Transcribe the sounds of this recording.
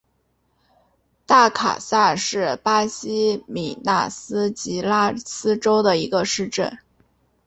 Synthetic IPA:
t̪a˥˩kʰa̰˨˩sa˥˧ʂɻ̩˥˩pa˥ɕi˥mi˨˩na̰˥˩sɹ̩˥t͡ɕi˧˥la˥sɹ̩˥ʈ͡ʂo˥ʊd̪ə˨i˧˥ɡə˧ʂɻ̩˥˧ʈ͡ʂə˥˩n

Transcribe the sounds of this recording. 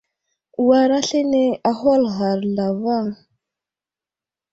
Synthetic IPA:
wa˦ɾa˦ɬe˦ne˦a˦xa˦lɣa˨ɾɮa˨va˦˨ŋ

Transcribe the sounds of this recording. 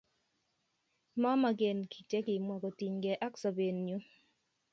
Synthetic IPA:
ma˦ma˨ɡe˨nkʰi˨t͡ʃe˦kɪ˨mwa˨kɔ˨ti˨ɲɡɛ˨ʔa˦ksɔ˨be˨nːju˦

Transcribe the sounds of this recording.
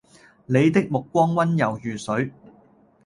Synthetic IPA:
ne˨˧jt̪ɪ˥k̚mʊ˨kːʷɔː˥ŋwɐ˥njɐ˨wjyː˨sɵ˨˥ɥ

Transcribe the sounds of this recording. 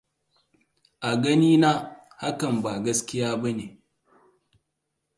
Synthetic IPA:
ʔa˨ɡɐ˦niː˦na˦ | ha˦kɐ˨mba˨ɡɐ˦skʲɪ˦jaː˦bɐ˦neː˨

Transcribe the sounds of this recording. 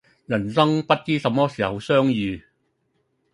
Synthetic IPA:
jɐ˨˩nsɐ˥ŋpɐ˥t̚t͡siː˥sɐ˨˥mːɔː˥siː˨˩hwsœː˥ŋjyː˨˧

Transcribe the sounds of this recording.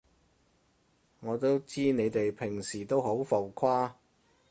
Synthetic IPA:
ŋɔː˨˧t̪o˥wt͡siː˥ne˨˧jt̪e˨jpʰɪ˨˩ŋsiː˨˩t̪o˥wɦo˨˥wfo˨wkʰaː˥

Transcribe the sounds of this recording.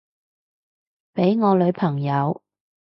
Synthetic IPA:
pe˨˥jŋɔː˨˧lɵ˨˧ɥpʰɐ˨˩ŋjɐ˨˧w

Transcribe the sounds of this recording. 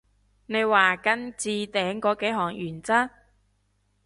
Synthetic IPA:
ne˨˧jwaː˨kɐ˧nt͡siː˧t̪ɛː˨˥ŋkɔː˨˧˥ke˨˥ɦɔː˨˩ŋjyː˨˩nt͡saː˥

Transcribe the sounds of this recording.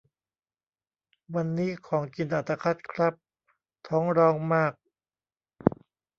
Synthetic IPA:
wa˧nːiː˦˥kʰɔː˩˦ŋki˧nʔaː˨˩t̪a˧kʰa˦˥t̪̚kʰɾa˦˥p̚ | t̪ʰɔː˦˥ŋɾɔː˧ŋmaː˥˩k̚

